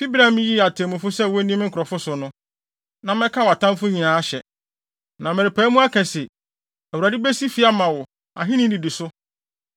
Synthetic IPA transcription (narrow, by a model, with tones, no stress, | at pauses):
bi˦bɾã˨m̃˦ji˦˨a˨tʰẽ˨mũ˨fʊ˦sɛ˦˨wɔ˦nĩ˦m̃˦ŋ̩˦kʰʊ˨ɾɔ˨fʊ˦sʊ˨nʊ̃˦ | nã˨mɛ̃˦kʰa˦wa˨tʰã˦mfʊ˦ɲĩ˨nãː˨˦ɕɛ˨ | nã˨mɛ̃˨ɾɪ˨pʰæː˨˦mũ˦a˦kʰɛ̃˨sɛ˨ | æ˨wu˨ɾa˨dɪ˦bæ˦si˦fi˦a˦mã˨wʊ˨ | a̰˨ɦɪ̃˦nɪ̃˦n˦di˨di˨sʊ˦